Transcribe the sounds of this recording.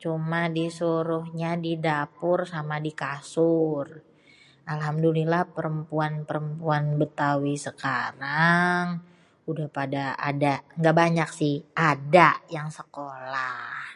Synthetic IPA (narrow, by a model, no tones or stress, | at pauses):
t͡ʃumadisuɾʊhɲadidapʊrsamadikasʊr | ʔalɦamdulilahpəɾəmpuanpəɾəmpuanbət̪awisəkaɾaŋ | udahpadaa̰daŋɡaʔbaɲaksɪhʔadajaŋsəkolah